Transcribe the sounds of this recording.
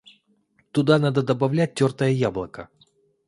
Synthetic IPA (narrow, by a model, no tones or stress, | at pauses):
t̪ʊd̪anad̪əd̪əbɐvlʲæt̚ʲtʲːort̪əjəjablˠəkə